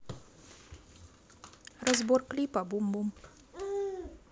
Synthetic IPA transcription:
rəzborklʲipabumbum

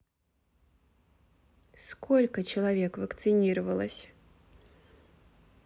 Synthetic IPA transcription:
skolʲkət͡ɕɪlˠɐvʲe̞kvəkt̪sɨnʲiɾəvəlˠəsʲ

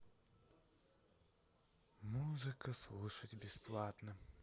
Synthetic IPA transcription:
muzɨkəslˠuʂətʲbʲɪsplˠat̪nə

